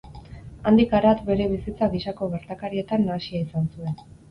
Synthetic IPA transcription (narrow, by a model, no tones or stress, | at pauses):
and̪ikaɾat̪be̞ɾe̞β̞isit͡saɣiʃako̞ɣe̞ɾt̪akaɾie̞t̪anːasiaisansue̞n